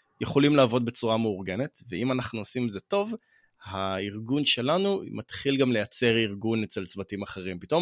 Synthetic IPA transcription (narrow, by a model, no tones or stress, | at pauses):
jeχo̞limlaaːvo̞d̚be̞t͡suʁame̞uʁɡe̞netveimanaχnuosimeze̞to̞v | haiʁɡunʃe̞lanumat̪χilɡamle̞jat͡se̞ʁiʁɡunet͡se̞lt͡svatimaχe̞ʁ̞impito̞m